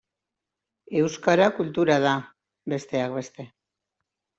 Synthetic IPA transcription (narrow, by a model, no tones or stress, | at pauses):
e̞wskaɾakult̪uɾað̞a | be̞st̪e̞ak̚be̞st̪e̞